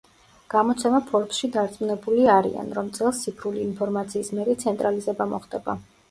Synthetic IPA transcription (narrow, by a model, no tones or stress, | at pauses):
ɡ̥amɔt̪sʰɛmapʰɔɾt̪ʃid̪aɾt̪sʼmunɛbuliaɾḭa̰nɾɔmt̪sʼɛlˠst̪ːipʰɾuliːnpʰɔɾmat̪sʰiːsmɛɾit̪sʰɛnt̪ʼɾalizɛbamɔχd̪ɛba̰